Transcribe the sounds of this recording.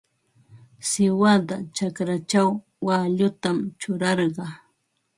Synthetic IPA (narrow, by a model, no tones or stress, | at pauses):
sɪwad̪at͡ʃakɾat͡ʃawː | aʎʊt̪amt͡ʃʊɾɑɾɢɑ